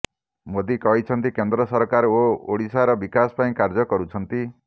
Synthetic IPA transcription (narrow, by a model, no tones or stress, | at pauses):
mod̪ikɔɦit͡ʃʰɔnt̪ikend̪ɾɔsɔɾkaɾooɽisaɾɔbikasɔ̥paĩkaɾd͡ʒɔkɔɾut͡ʃʰɔnt̪i